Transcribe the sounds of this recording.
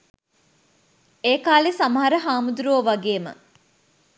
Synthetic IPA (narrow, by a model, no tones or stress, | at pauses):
eːkaːlesamɐɦɐɾəɦaːmud̪uɾoːʋaɡeːmə̰